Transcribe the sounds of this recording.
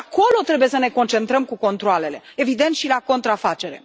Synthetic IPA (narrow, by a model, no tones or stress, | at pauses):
ako̞lo̞t̪ɾe̞buje̞səne̞ko̞nt͡ʃe̞nt̪ɾəmkuko̞nt̪ɾoale̞le̞evid̪e̞nt̪ʃilako̞nt̪ɾafat͡ʃe̞ɾe̞̰